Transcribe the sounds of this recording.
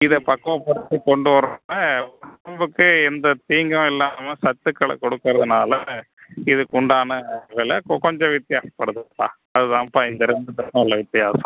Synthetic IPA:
ɪðɐpɐkːɐ̃pɐɾɯt̪ːikɔɳɖɯʋɐɾonɐɐmbɯkːɯɛnd̪ɐt̪iːŋɡɐ̃ɛlːaːmɐsɐt̪ːɯkːɐɭɐ̰kɔɽɯkːɯɾɐðɯnaːlɐ | ɪðɯkʊɳɖaːnɐʋɐlɐkkɔɲd͡ʒɔ̃ʋɪt̪ːɪjaːsɐ̥pɐɽɯðɯtːã̰ː | ɐðɯðãːpːɐːɪnd̪ɐɾɛnd̪ɯt̪ɐkːɐ̃ɪlːɐʋɪt̪ːɪjaːsɐ̥̰̃

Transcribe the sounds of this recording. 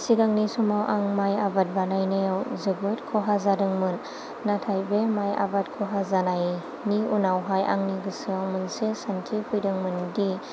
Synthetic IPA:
sidaŋnisumawʔaŋmajabat̚banajnajawzɯbɯt̚kʰɔɦazadɯŋmɯnː | atʰajbemaja̰bat̚kʰɔɦazanaj | niunawɦaja̰ŋniɡɯsɯaŋmɯnsesantʰipʰujdɯŋmɯndi

